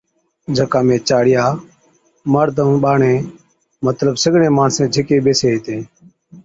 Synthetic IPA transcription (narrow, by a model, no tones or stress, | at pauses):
d͡ʒʱəkãːmẽːt͡ʃaːɽɪjaː | məɾd̪ʱə̃ɓaːɳẽː | mət̪ləɓsəɡɳẽːmaːɳsẽːd͡ʒʱɪkeːɓeːseːɦɪt̪ẽː